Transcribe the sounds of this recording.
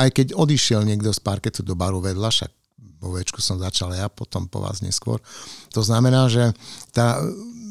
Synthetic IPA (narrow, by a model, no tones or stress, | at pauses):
ajkɛɟɔd̪iʃɪɛlɲɪɛɡd̪ɔspaɾkɛt̪ud̪ɔbaɾuʋɛd̪laʃa̰ɡ̚ | ʋɔʋɛt͡ʃku̥sɔmzat͡ʃalajapɔt̪ɔmpɔ̰ʋa̰ːzɲɛ̰skʊɔ̰ɾt̪ɔznamɛnaːʒɛt̪aː